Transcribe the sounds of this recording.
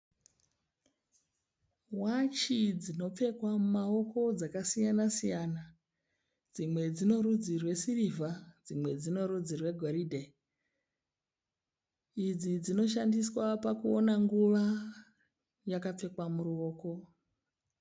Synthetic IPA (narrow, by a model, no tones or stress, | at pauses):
wat͡ʃid͡zino̞p͡fe̞kwamumao̞ko̞d͡zakasijanasijana | d͡zimwe̞d͡zino̞ɾud͡zirwe̞sirivad͡zimwe̞d͡zino̞ɾud͡zirwe̞ɡʱoɾidʱe | id͡zid͡zino̞ʃ̬andiswapakuonaŋɡuʋa | jakap͡fe̞kwamuɾuoːko̞